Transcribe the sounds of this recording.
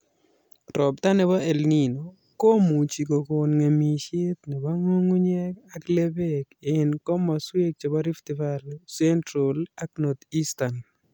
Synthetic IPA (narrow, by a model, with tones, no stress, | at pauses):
ɾɔ˨b̚t̪a˦nɛ˨ba˦e˨lni˨no˨ | ko˦mu˨t͡ʃi˨ko˨ko˨nŋe˨mi˨ʃɪ˦t̪nɛ˨ba˦ŋo˦ŋu˦ɲɛ˦ka˦kle˦be˦kɪ˨nkɔ˦ma˨swe˦k̚t͡ʃa˨ba˦ɾi˦ftɪ˨va˦lsɛ˦ntɾo˨la˦kno˨t̪i˦sta˨n